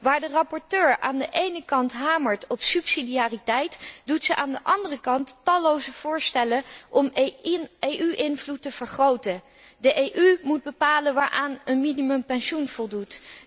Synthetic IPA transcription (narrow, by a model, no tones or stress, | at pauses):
ʋaːɹdərɑpɔɹtøːɹa̰ːndəʔejnəkɑntɦaːməɹtɔpsypsidiaːritɛjtdutsəʔaːndəʔɑndərəkɑnttɑlowzəv̥ʊːɹstɛləʔɔm | ejʔyʔɪnvlutːəv̥əɹχrowtən | dəʔejʔymud̚bəpaːlənʋaːɹʔaːnənminimɵmpɛnʃunv̥ɔlˠdut